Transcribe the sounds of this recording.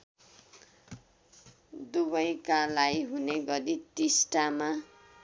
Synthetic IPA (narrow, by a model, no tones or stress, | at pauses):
d̪ubʌjkalajɦuneɡʌɾitisʈama